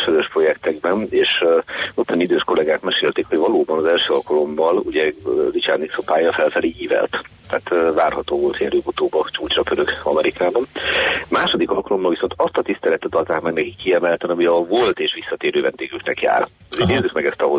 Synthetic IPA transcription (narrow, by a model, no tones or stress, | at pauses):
ʃøzøʃpro̞jɛkt̪ɛɡbɛneːʃot̪jɒnid̪øːʃko̞lɛɡaːkmɛʃeːlt̪eːkho̞ɟvɒloːbɒnɒzɛlʃøːɒlkɒlo̞mːɒlṵɟɛzit͡ʃaːrniksopaːjɒfɛlfɛleːjiːvɛ̰lt̪t̪ːaːt̪ːvaːrhɒt̪oːvo̞lt̪hiɛɾøːbut̪oːbɒt͡ʃuːt͡ʃrɒkøɾøkɒmɛɾikaːbɒnmaːʃod̪ikɒlkɒlo̞mːɒlviso̞nt̪ɒst̪ɒt̪ist̪ɛlɛt̪ːɛt̪ɒlt̪aːkmɛɡnɛkikːiɛmɛlt̪ɛnɒmiɒvo̞lt̪eːʃʋisːɒt̪eːɾøːvɛnd̪eːɡyknɛkja̰ːr | ineːrzykmɛɡɛst̪ɒɦo